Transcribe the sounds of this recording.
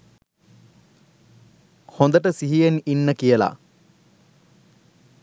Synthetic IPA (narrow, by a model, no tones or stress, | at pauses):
hond̪əʈəsiɦijeninːəkijəla̰